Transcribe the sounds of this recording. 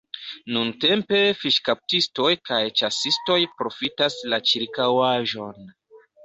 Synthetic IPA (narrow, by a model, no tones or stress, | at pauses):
nunte̞mpe̞fiʃkap̚tisto̞jkajt͡ʃasisto̞jpɾo̞fitaslat͡ʃiɾkawaʒo̞n